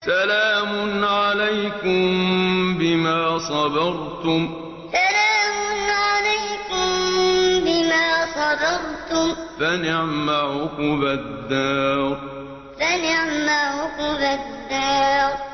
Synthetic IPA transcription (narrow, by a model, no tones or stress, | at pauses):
salaːmʊnʕalajkʊmbɪmaːsˤɑd̪ɑɾˤt̪ʊm | salaːmʊnʕalajkʊmbɪmaːsˤɑd̪ɑɾˤt̪ʊmfanɪʕmaʕʊkʊbad̪ːaːɾ | fanɪʕmaʕʊqʊbad̪ːaːɾ